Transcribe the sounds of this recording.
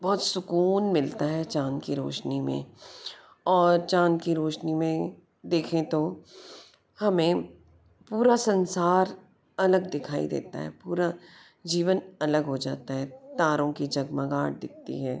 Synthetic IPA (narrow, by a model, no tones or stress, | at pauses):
bɔɦːt̪sʊkuːnmɪlt̪aɦɛt͡ʃãːnkiɾo̰ːʃnimḛ̃ | ɔːɾt͡ʃãːnkiɾoːʃnimẽ | d̪eːkʰẽt̪o | hɐmẽ | puːɾasɐ̃nsaːɾ | ɐləɡd̪ɪkʰaːḭd̪ḛːt̪a̰ɦɛ̰ːpuːɾa | d͡ʒiːʋənɐləɡɦod͡ʒa̰ːt̪aɦɛt̪aːɾõkid͡ʒɐɡmãɡaːɽ̚d̪ɪk̚ʰt̪ḭɦɛː